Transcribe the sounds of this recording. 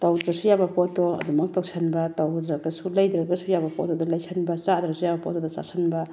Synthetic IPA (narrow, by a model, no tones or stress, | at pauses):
tawdɾasujabɐpɔtɔɐ̰dumɐk̚tawsʰanbɐtawdɾaɡɐsulajd̪ɾɐɡɐsujabɐpɔtɔdɐlajsʰanbɐt͡ʃad̪ɾasʰujabɐpɔ̰tɔdɐt͡ʃa̰sanbɐ